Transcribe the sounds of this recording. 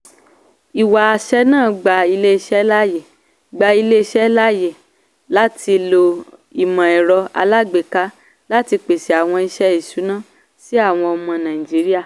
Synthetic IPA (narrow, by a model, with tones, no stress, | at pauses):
i˨wa˨a˨ʃɛ˦nãː˦˨˦ɡ͡ba˧i˧le˦˧ʃɛ˦la˦je˨ | ɡ͡ba˧i˧le˦˧ʃɛ˦la˦je˨ | la˦ti˧lo˧i˨mã˨ɛ˨ɾɔ˧a̰˧la˦ɡ͡be˨ka˨˦ | la˦ti˧k͡pe˨se˨a˨w̃ɔ̃˧i˧ʃɛ˦i˨ʃu˨˦nã˦˨ | si˨˦a˦˨w̃ɔ̃˧ɔ˧mɔ̃˧nã˨i˨d͡ʒi˨˦ɾi˦a˦˨